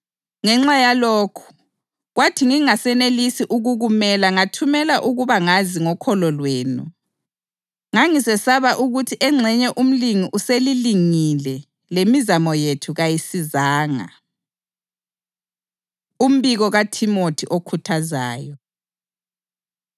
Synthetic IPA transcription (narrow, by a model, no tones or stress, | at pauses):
ŋɛŋ͡ǁajaloːkʰu̥ | ɣwatʰiŋiŋasɛnelisiʔuɣuɣumɛlaŋatʰumɛlaʔuɣuβaŋaziŋɔkʰɔlɔlweːnṵ | ŋaŋisɛsaβaʔuɣutʰiʔɛŋ͡ǁʱɛɲɛʔum̩liŋiʔuseliliŋilɛ | lemizamɔjetʰuɣajisizaːŋa̰ | um̩βiɣɔɣatʰimotʰiʔokʰutʰaza̰ːjɔ